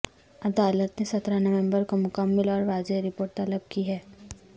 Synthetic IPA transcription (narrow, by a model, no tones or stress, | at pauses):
ɐd̪aːlət̪nesɐt̪ɾanɐʋẽmbəɾkomʊkəmːɪlɔːɾʋaːd͡ʒeɾɪpoːɾʈt̪ɐləb̚kiɦɛː